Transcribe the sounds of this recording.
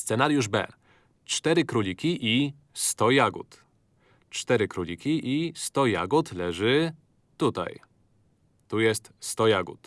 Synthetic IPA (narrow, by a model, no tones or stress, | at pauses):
st̪sɛnaɾjuʐbɛ̰ | t͡ʂt̪ɛɾɘkɾulʲikʲiʔi | st̪ɔjaɡṵt̪ | t͡ʂt̪ɛɾɘkɾulʲikʲiʔist̪ɔja̰ɡut̪lɛʐɘ | t̪ut̪a̰j | t̪ujɛst̪st̪ɔjaɡṵt̪